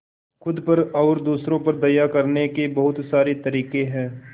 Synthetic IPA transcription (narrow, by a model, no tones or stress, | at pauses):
xʊd̪pɐɾɔːɾd̪uːsɾõpɐɾd̪ɐjakɐɾnekebɐɦʊt̪saːɾet̪ɐɾiːqeɦɛ̃ː